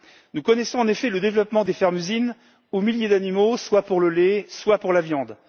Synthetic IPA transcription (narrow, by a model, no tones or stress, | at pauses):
nukɔnɛsɔ̃ɑ̃nefɛləd̪evlɔpmɑ̃d̪efɛʁmyzin | omiljed̪animoswapuʁləleswapuʁlavjɑ̃d̪